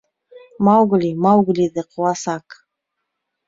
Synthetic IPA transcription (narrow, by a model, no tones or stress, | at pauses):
mawɡlimawɡlid̪əqʰʊwasak